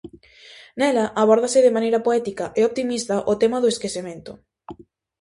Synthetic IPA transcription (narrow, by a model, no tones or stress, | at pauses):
nɛlɐʔaβɔɾð̞ɐsɪðemanejɾɐpoɛt̪ikɐʔeop̚t̪imist̪aʔot̪emaðoeskesemẽnt̪ʊ